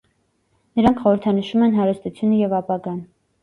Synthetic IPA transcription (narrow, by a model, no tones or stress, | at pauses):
nəɾɑŋkʰχɔɾəɾt̪ʰɑnəʃumɛnɦɑɾəst̪ut͡sʰjunəjɛvɑpɑɡɑn